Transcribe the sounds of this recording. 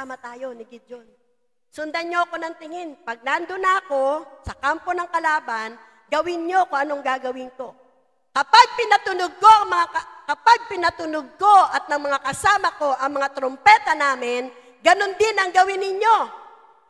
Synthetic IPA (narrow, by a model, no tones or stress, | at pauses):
amɐt̪aːjo̞nɪɡɪd͡ʒon | sʊnd̪ɐnɲoʔɐko̞nɐŋt̪ɪŋɪnpɐɡ̚nand̪onaɐko̞sɐkampo̞nɐŋkɐlaːban | ɡɐwɪnɲo̞kʊŋʔɐnoŋɡaːɡɐwɪnko̞ | kɐpaɡ̚pɪnɐt̪ʊnʊɡ̚ko̞ʔɐŋmɐŋakɐkɐpaɡ̚pɪnɐt̪ʊnʊɡ̚ko̞ʔɐt̪̚nɐŋmɐŋakɐsaːmɐko̞ʔɐŋmɐŋat̪ɾompɛt̪ɐnaːmɪn | ɡɐno̞nd̪ɪnɐŋɡɐwɪnɪɲjo̞